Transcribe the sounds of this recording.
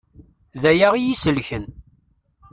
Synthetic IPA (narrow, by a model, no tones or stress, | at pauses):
ðæjaʁijisəlçən